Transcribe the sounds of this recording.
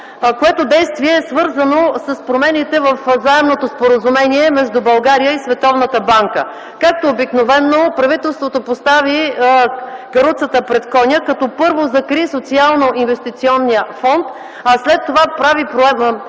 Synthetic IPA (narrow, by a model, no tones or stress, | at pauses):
koɛt̪od̪ɛjst̪viɛsvɤɾzənosəspɾomɛnit̪ɛvəfzaɛmnot̪ospoɾəzumɛniɛmɛʒd̪ubɐlˠɡaɾijəisvɛt̪ɔvnət̪əbaŋkə̰ | kak̚t̪oːbiknovɛnːopɾɐvit̪ɛlˠst̪vot̪opost̪avi | ɡɐɾut̪sət̪əpɾɛt̪kɔnʲəkɐt̪ɔpɤɾvozɐkɾisot̪sialˠnoʔinvɛst̪it̪siɔnːiəfɔnt̪ | aslɛt̪ːovapɾavipɾoɛ